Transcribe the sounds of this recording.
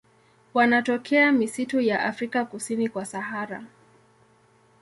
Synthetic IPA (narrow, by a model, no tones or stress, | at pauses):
wanatɔkʰɛamisitujaʔafɾikakusinikwasahaɾa̰